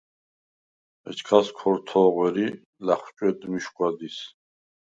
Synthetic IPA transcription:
ɛ̰t͡ʃʰkʰaskʰɔɾt̪ʰɔːʁwɛɾi | laχt͡ʃʼwɛd̪miʃkʼwad̪is

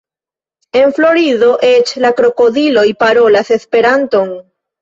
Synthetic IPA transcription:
e̞nflo̞ɾiðo̞ʔe̞t͡ʃlakɾo̞ko̞dilo̞jpaɾo̞lase̞spe̞ɾanto̞n

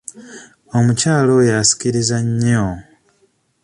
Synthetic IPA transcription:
omucaːlo̞jasi̥ciɾizaɲo

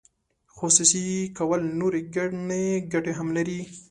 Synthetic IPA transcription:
xosusikawəlnoɾeɡaneɡaʈeɦamlaɾi

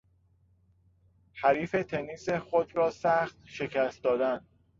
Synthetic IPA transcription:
hæɾiːfe̞t̪ʰeniːsexod̪ɾɒːsæxt̪̚ʃe̞cʰæst̪d̪ɒːd̪ænd̪

